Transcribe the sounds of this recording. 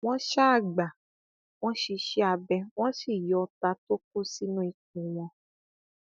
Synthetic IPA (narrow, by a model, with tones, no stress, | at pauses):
w̃ɔ̃˦ʃa˦a˦˨ɡ͡ba˨ | w̃ɔ̃˦ʃi˧ʃi˦a˧bɛ˧w̃ɔ̃˦ʃi˦˨jɔ˨˧ta˧to˦k̚o˦si˦nũ˦i˧˨k̚ũ˨ja˧